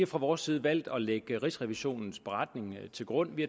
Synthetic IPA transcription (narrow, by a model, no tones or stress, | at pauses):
fʁɑ̈ʋɒːsːiːðˠʋæl̰d̥ɒ̽leɡ̥əʁisʁɛʋiɕo̝̰ːnn̩sb̥e̝ʁɑ̈d̥ne̝ŋt͡sʰe̝lɡ̥ʁɔ̽n̰ʋi